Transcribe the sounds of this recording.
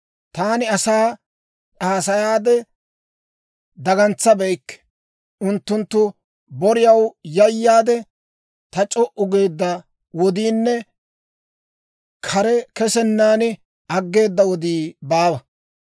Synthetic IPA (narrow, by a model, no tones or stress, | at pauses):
t̪aːnɪɐsaː | ᶑaːsɐjaːd̪ɛ | d̪ɐɡɐnt͡sːɐbɛjkːɛ̥ | ʊnt̪ːʊnt̪ːʊ | bɔɾɪjɐwjɐjːaːd̪ɛ | t̪ɐt͡ʃʼɔʔʊɡe̞ːd̪ːɐ | wɔd̪iːnːɛ | kʰɐɾɛkɛsɛnːaːnɪ | ɐɡːe̞ːd̪ːɐwɔd̪iːbaːwɐ